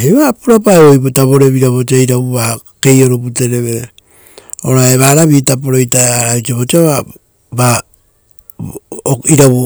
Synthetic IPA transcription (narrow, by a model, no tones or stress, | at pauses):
eβapuɾapaeojpotaβo̞ɾe̞βiɾaβot͡ʃiaiɾabuβake̞jo̞ɾop̬ute̞ɾe̞βe | oɾaeβaɾaβietap̬oɾo̞jtaaɾait͡ʃiaβot͡ʃiaβa | ba | iɾaβu